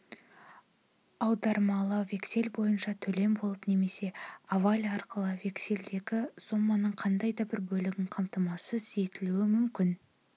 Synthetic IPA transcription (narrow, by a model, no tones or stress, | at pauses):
ɑwd̪ɑɾmɑlˠəve̞kse̞lbo̞jənʃɑt̪ʰɵle̞mbo̞lˠəpne̞me̞se̞avalʲɑɾqəlˠəve̞kse̞ld̪e̞ɡʲɪso̞mːɑnəɴqʰɑnd̪ɑjd̪ɑbɪɾbɵlɪɡʲɪŋqʰɑmt̪əmɑsəze̞t̪ɪluɪmʏmkʲɪn